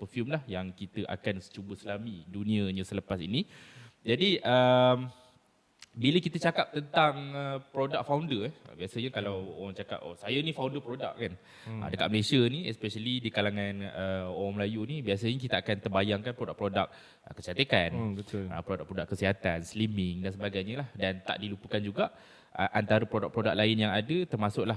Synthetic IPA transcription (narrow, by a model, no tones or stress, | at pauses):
pərfjumlahjaŋkit̪əʔa̰kansə̥t͡ʃubəslamidunĩə̃ɲə̃sələpasḭnid͡ʒadiʔəm | biləkit̪ət͡ʃakap̚t̪ənt̪aŋəpɾodak̚fawndərɛə̰biasəɲakalawoɾaŋt͡ʃaka̰p̚o̰sajənĩfawndəpɾoda̰k̚kːan | ə̰dəkat̪̚məlesjənĩɛspɛʃalidikalaŋãnəoɾaŋməlajunibias̬əɲak̬it̪aakant̪ərbajaŋkanpɾodakpɾodak̚ | kəsat̪ekanbət̪ʊlə̰pɾodak̚pɾodakːəsiɦat̪anslimɪŋdansəbaɡajɲəlahdant̪a̰ʔdilupəkand͡ʒuɡaʔ | ə̰ʔant̪aɾəpɾodak̚pɾodak̚laɪnjaŋadət̪ərmasʊklah